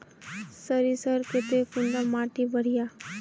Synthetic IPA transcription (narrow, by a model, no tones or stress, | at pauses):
səɾisəɾket̪efund̪amaːʈibʱɐɽ̤ijaː